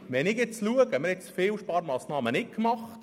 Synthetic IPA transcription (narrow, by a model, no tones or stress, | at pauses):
ʋɛnɪɡjɛt͡sluəɡəmɪɾɛt͡sfɪːlʃpɑːɾmɑːsnɑːmənɪkmɑχt